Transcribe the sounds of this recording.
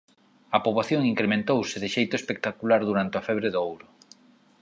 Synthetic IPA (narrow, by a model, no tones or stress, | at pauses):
ɐpoβlaθjoŋiŋkɾemẽnt̪owsɪðɪʃejt̪oespek̚t̪akulaɾðuɾant̪ɪafɛβɾeðoowɾʊ